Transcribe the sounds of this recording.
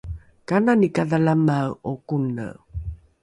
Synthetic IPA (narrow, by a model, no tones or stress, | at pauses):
kananikaðalamawokunə̰